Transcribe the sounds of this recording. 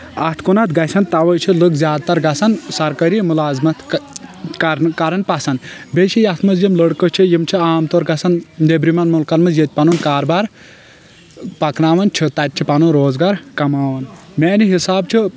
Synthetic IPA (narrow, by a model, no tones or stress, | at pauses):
ɐt̪ʰkunɐt̪ɡɐsɐnt̪ɐʋɐjt͡ʃʰɨlɨkzʲjaːd̪̚t̪ɐɾɡɐsɐnsɐɾkɐɾimulaːzmɐt̪ | kɾkɐɾɐnpɐsɐnbʲeʃʰijɐt̪ʰmɐzjimləɽkət͡ʃʰijimt͡ʃʰiaːmt̪oːɾɡɐsɐnd̪ebɾimɐnmulkɐnmɐzjet̪̚ʲpɐnunkaːɾbaːɾ | pɐknaːʋɐnt͡ʃʰɨt̪ɐt̪̚ʲt͡ʃʰipɐnunɾoːzɡaːɾkɐmaːʋɐnmeːniɦisaːbt͡ʃʰi